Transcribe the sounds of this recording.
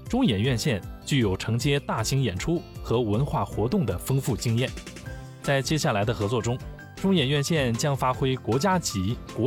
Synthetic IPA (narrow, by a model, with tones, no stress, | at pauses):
ʈ͡ʂʊ˥ŋjɛ˨˩nɥɛ˥˧nɕjɛ˥˧nt͡ɕy˥˩jo˨˩ʊʈ͡ʂʰɤ˧˥ŋt͡ɕjɛ˥t̪a˥˩ɕi˧˥ŋjɛ˨˩nʈ͡ʂʰu˥xɤ˧˥wə˧˥nxwa˥˩xwɔ̰˧˥t̪ʊ˥˩ŋd̪ə˩fɤ˥ŋfu˥˩t͡ɕi˥ŋjɛ˥˩n | t͡sa˥˩ɪt͡ɕjɛ˥ɕja˥˩la˧˥ɪd̪ə˧xɤ˧˥t͡swɔ˥˩ʈ͡ʂʊ˥ŋ | ʈ͡ʂʊ˥ŋjɛ˨˩nɥɛ˥˧nɕjɛ˥˩nt͡ɕjɑ˥ŋfa˥xwe˥ɪkwɔ˧˥t͡ɕja˥t͡ɕi˧˥kwɔ˧˥